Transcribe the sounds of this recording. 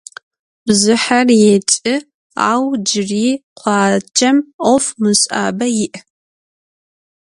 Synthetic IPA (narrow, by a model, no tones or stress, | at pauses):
bzɨħarjet͡ʃʼɪ | a̰ːwd͡ʒɪriːqʷʰɑːt͡ʃʰɐmʔɔfmɨɕʼa̰ːbɐjɪʔ